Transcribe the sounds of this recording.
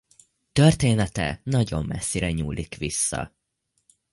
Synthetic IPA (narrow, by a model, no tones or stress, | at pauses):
t̪ørt̪eːnɛt̪ɛnɒɟo̞mːɛsːiɾɛɲuːlʔikʋisːɒ̰